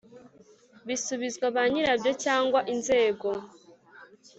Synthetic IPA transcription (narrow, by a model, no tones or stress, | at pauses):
βisuβizɡwaβaɲiɾabjo̞caːŋɡwaʔinze̞ːɡo̞